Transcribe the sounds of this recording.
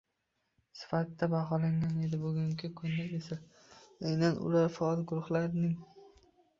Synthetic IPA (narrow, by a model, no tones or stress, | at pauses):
sɪ̥fat̪ːabaɦɒlaŋane̞d̪ɪbʊɡʲʊŋkʲɪkʰʊnd̪aɡesa | ajnanʊ̰laɾfɒɒlɡʊɾʊχlaɾnɪŋ